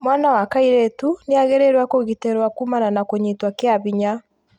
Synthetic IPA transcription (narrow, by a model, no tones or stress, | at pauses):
mwanawakaiɾetuneaɣeɾɛɾwakoɣiteɾwakumananakoɲetwakeaβiɲa